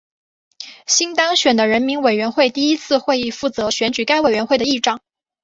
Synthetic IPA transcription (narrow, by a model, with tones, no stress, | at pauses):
ɕi˥nt̪ɑ˥ŋɕɥɛ˨˩nd̪ə˦ɻə˧˥nmi˧˥nwe˨˩ɪɥɛ˧˥nxwe˥˧ɪt̪i˥˩i˥t͡sʰɹ̩˥˧xwe˥˧ɪi˥˧fu˥˩t͡sɤ˧˥ɕɥɛ˧˥nt͡ɕy˨˩ka˥ɪwe˨˩ɪɥɛ˧˥nxwe˥˩ɪd̪ə˩i˥˧ʈ͡ʂɑ˥˩˦ŋ